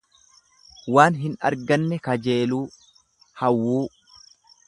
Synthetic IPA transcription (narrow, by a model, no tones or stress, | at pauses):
waːnɦɪnɐ̰ɾɡɐnːɛkɐd͡ʒeːluː | hɐwːuː